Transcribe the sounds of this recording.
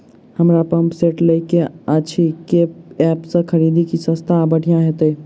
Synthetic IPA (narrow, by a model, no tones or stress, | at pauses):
hɐmɾapɐ̃mpseːʈleikeaːt͡ʃʰikeɛːpsekɐɾiːd̪ikisɐst̪ʰabəʈʰijãɦɛt̪oeː